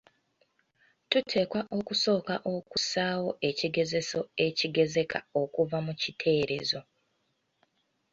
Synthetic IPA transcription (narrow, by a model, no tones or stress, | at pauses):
tutʰe̞ːkwaʔo̞kuso̞ːkaʔo̞kusaːwo̞ʔe̞ciɡe̞ze̞so̞e̞ciɡe̞ze̞kʰa̰o̞kuvamucitʰe̞ːɾe̞̰zo̞